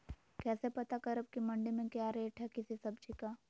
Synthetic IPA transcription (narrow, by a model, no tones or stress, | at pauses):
kɛːsepɐt̪akɐɾəb̚kimɐ̃ɳɖimẽkjaːɾeːʈɦɛkɪsisɐbd͡ʒikaː